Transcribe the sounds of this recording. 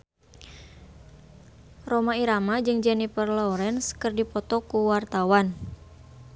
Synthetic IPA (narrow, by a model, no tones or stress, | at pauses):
romaiɾamad͡ʒɨŋd͡ʒɛnipərlɔɾɛnskərdipɔt̪ɔkuwart̪awan